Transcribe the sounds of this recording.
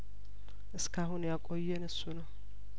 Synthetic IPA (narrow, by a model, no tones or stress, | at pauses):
ʔɨskʰaɦunjakʼo̞jːɛnɨsːunəw